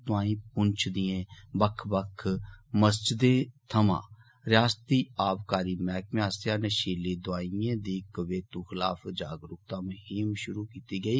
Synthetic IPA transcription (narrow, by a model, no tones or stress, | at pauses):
t̪ʊãːĩːp̚ʊnt͡ʃʰd̪ɪjẽːbəkʰbəkʰməsd͡ʒɪd̪eːt̪ʰəmã̰ː | ɾɪjaːst̪iːaːbkaːɾiːmɛːkmaːsjaːnəʃiːliːd̪ʊaːiẽːd̪iːkəʋeːt̪uːxɪla̰ːpd͡ʒaːɡɾʊk̚t̪ãːmʊɦiːmʃʊɾuːkiːt̪iːɡəiː